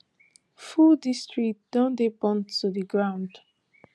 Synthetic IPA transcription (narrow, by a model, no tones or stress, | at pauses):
fudistɹikt̚d̥ɔ̃ndebɔ̃ntuðəɡɹãʊ̃nd̥